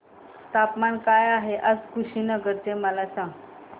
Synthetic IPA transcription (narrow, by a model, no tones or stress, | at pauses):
t̪apmankajaɦeʔəd͡zkʰuɕiːnəɡəɾt͡seməlasãŋɡ